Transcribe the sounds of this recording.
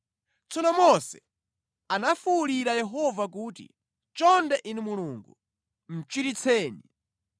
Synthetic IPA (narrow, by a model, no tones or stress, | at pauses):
t͡sʰɔnɔmɔsɛ | anafuːliɾajɛɦɔvak̬uːtḭ | t͡ʃɔndɛʔinimuluːŋɡu | m̩t͡ʃwiɾit͡sʰɛːni